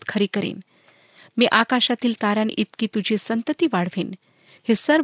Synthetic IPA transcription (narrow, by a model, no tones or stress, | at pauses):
t̪kʰəɾikəɾḛːn | miʔakaʃat̪iːlt̪aɾjanʔit̪kit̪ud͡ʑʱesənt̪ət̪iʋaɽ̤ʋiːn | hesəɾ